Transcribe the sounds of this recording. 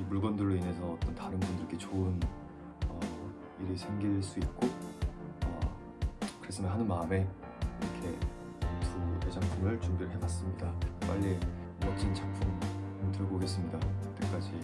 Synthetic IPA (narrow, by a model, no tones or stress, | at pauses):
imuɭɡʌndɯɭːoine̞sʰʌːt͈ʌntaɾɯnbundɯɾɡet͡ɕoɯn | ʌ | iɾɯsʰe̞ŋɡiɭs͈uit̚k͈o | ʌ̰ | kɯɾe̞s͈ɯmanɦanɯnmaɯme̞ | iɾʌkʰe̞ | sʰue̞d͡ʑaŋpʰumɯɭt͡ɕuŋbiɾɯɭɦebas͈ɯmɲidap͈aʎːi | mʌt͡ɕʰint͡ɕapʰumtɯɭɡoɡe̞s̬͈ɯmɲidaʌt͈e̞k͈ad͡ʑi